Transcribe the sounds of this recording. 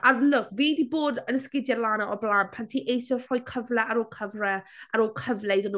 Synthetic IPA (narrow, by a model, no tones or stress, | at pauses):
ʔalʊkviːdiːboːdənskɪdjɛlˠaːnaʔɔblˠaːnpʰantʰiːʔejsɔr̥ɔjkʰəvlɛaɾoːlkʰəvrɛaɾoːlˠkʰəvlɛdən